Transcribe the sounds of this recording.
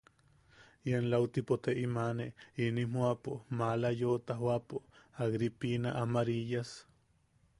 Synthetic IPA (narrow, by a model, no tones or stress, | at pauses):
janlawt̪ipot̪eʔimaneinimuapomalajot̪aɦwapoaɣɾipinaʔamaɾijas